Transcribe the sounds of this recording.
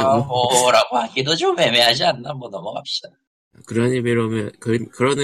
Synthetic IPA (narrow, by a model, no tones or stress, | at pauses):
mʌɾaɡohaɡidot͡ɕome̞meɦad͡ʑianːamwʌnʌmʌɡa̰p̚ɕ͈id̥a | akɯɾʌɲimeɾomjʌnkɯnkɯɾʌnɯ